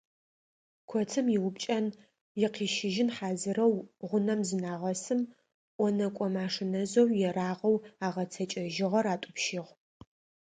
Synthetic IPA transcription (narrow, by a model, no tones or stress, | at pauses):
kʷʰɔtʰɨmjɪwʊpt͡ʃʼɐn | jɪqiːʃɪʒɪnħaːzɨrɐwʁʷʊnɐmzɨnaːʁɐsɨm | ʔʷɔnɐkʷʼɔmaːʂɨnɐzowjɛraːʁɐwaːʁɐt͡sʰɐt͡ʃʼɐʒɪʁɐɾaːtʼʊpʃɪʁ